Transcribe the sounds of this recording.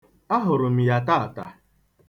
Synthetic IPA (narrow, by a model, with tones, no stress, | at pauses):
a˦ɦʊ˨ɾʊ˨m̩˨ja˨ta˦a˨ta̰˨